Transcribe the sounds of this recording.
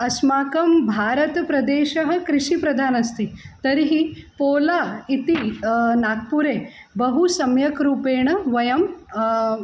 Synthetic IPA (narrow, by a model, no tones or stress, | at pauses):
ɐsmaːkɐmbʱaːɾɐt̪pɾɐd̪eːʃɐɦɐ̆kɾɪʃipɾɐd̪ʱaːnɐst̪it̪ɐɾiɦipoːlaːit̪inaːk̚puɾeː | bɐɦusɐmjɐkɾuːpeːɳɐʋɐjɐm